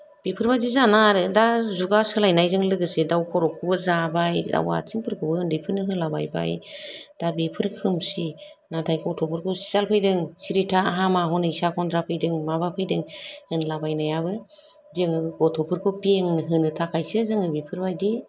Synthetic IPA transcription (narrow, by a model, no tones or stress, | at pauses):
b̥ipʰɯɾbajdizanaɾɯdazuɡasɯlajnajzɯŋlɯɡɯsedawkʰɔɾɔkʰɯbɯzabajda̰wa̰t͡ʃiŋpʰɯɾkʰɯbɯːndɯjpʰɯɾnɯɦɯnlabajba̰jd̥abipʰɯɾkʰɯmsi | natʰajkʰɔtʰɔpʰɯɾkʰɔsi̥zalpʰɯjdɯŋsiɾitʰaaɦamaɦɔnɯisakʰɔndɾapʰɯjdɯŋmabapʰɯjdɯŋhɯnlabajnajabɯ | deŋɯɡɔtʰɔpʰɯɾkʰɔpieŋnɯɦɯnɯtʰakʰajsɯzɯŋɯbipʰɯɾbajdi